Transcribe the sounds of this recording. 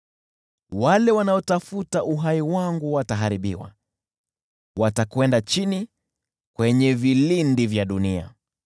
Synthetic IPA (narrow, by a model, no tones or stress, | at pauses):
walɛwanaɔtafutaʔuɦaiwaŋɡuwataɦaɾiɓḭwa̰ | watakwɛndat͡ʃini | kwɛɲɛvilindivjaɗunia̰